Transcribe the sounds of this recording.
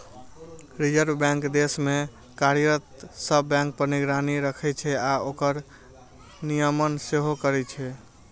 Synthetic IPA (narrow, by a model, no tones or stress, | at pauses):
ɾid͡ʒəɾbbɛ̃ŋkd̪esme | kaɾjɾət̪səbːɛ̃ŋk̚pəɾniɡɾaniɾəkʰɛt͡ʃʰɛaokəɾ | nijəmənseɦokəɾɛt͡ʃʰɛ